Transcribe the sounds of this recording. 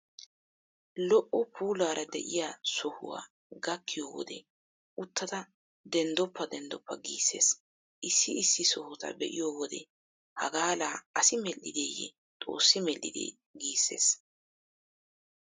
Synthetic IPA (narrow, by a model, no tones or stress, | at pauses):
lɔʔɔpʰuːlaːɾʔɐd̪ɛ̰ʔɪjasɔhʊ̰wa̰ː | ɡɐkːɪjoːwɔ̰d̪ɛ | ʔʊt̪ʰːɐt̪ɐ | d̪ɛnd̪ɔpːɐd̪ɛnd̪ɔpːɐɡiːsːe̞̰ːs | ʔɪsːɪɪsːɪsɔhʊt̪ɐ̰bɛ̰ʔɪjoːwɔd̪ɛ̰ | hɐɡaːlaːɐsɪmɛlːɪd̪eːjɛ̰ | t̪ʼo̞̰ːsːɪmɛlʔɪ̰d̪ḛː | ɡiːsːe̞̰ːs